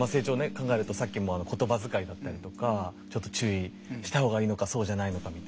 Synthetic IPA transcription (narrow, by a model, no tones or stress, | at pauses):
mase̞ːt͡ɕo̞ːnekãŋɡae̞ɾɯ̟t̪osakʲːimo̞ano̞kot̪o̞bazɨkaid̪at̪ːaɾʲit̪o̞kat͡ɕo̞t̪ːot͡ɕɨːi | ɕi̥t̪aho̞ːɣɡaiːno̞kaso̞ːʑanaino̞kamʲit̪